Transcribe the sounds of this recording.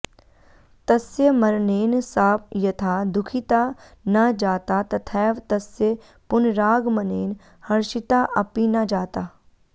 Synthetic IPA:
t̪ɐsjəmɐɾneːnsaːpʰjɐt̪ʰaːd̪ʊkʰit̪a | nɐd͡ʒaːt̪at̪ɐt̪ʰɛːʋt̪ɐsje | pʊnɾaːɡmɐneːn | hɐɾʃɪt̪aʔɐpinɐd͡ʒaːt̪aː

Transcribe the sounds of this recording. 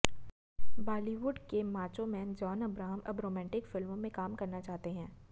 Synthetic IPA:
baːliʋʊɖkemaːt͡ʃõmɛːnd͡ʒɔːnɐbɾaːɦəmʔɐbɾoːmɛ̃ːɳʈɪkfɪlmõmẽkaːmkɐɾnat͡ʃaːɦt̪eɦɛ̃ː

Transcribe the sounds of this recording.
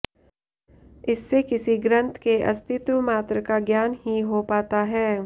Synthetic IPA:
ɪsːekɪsiɡɾə̃nt̪ʰkeʔɐ̰st̪ʰɪt̪wmaːt̪ɾəkaɡjaːnhiɦopaːt̪aɦɛː

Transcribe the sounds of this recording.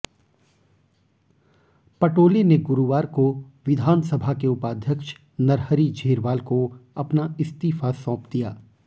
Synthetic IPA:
pɐʈoːleneɡʊɾuʋaːɾkoʋɪd̪ʱaːnsəbʱakeʊpaːd̪ʱjəkʃ | nɐɾɦəɾid͡ʒʱeːɾʋaːlkoɐpnaɪst̪iːfasɔ̃ːpd̪ijaː

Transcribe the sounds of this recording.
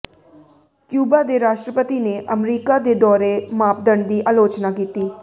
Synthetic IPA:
kjuːbaːd̪eːɾaːʃʈɾəpət̪iːneːʔəmɾiːkaːd̪eːd̪ɔːɾemaːp̚d̪əɳd̪iːʔaːloːt͡ʃnaːkiːt̪iː

